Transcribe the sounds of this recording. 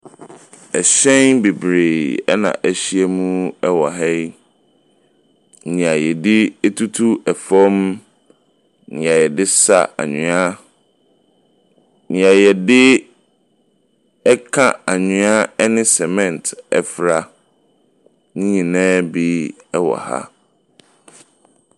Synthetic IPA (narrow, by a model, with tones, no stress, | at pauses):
ɛ˨ɕɛ̃˦nbe˨bɾe˨ɛ˦nã̰˨ʔæ˨ɕi˦ɛ˦mũ˦uɛ˦wɔ˨ɦɛ˦j | n̩˨nĩ˨a˨jɛ˨dɪ˦ɛ˦tʰu˦tʰu˦ɛ˨fɔ˦m˦ | nɪ̃˨a˨jɛ˨dɪ˦sa̰˦˨a̰˨ɲʊ̃˨˦a˦ | nɪ̃˨a˨jɛ˨dɪ˦ | ɛ˦kʰã˦a˨ɲɪ̃˨˦a˦nɪ̃˦sɛ˨mɛ̃˨ntɛ̰˨fɾa˦ | nɪ̃˦ɲĩ˨nɛ̃ː˦bi˦ | ɛ˦wɔ̰˨ha̰˦